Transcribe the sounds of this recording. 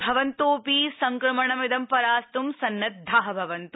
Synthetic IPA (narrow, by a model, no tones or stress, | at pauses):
bʱɐʋɐnt̪oːpiːsɐŋkɾɐmɐɳɐmɪd̪ɐmpɐɾaːst̪umsɐnːɐt̪̚d̪ʱːaːɦɐ̆bʱɐʋɐnt̪u